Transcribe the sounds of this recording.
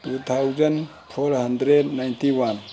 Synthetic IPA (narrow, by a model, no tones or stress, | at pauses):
tut̪ʰawd͡ʒən | pʰoɾɦɐnd̪ɾed̪najnt̪iwan